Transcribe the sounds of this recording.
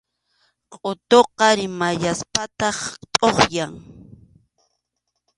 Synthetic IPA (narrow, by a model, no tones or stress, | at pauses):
qʼot̪oqɑɾɪmaʎaspat̪ɑχt̪ʼoχjaŋ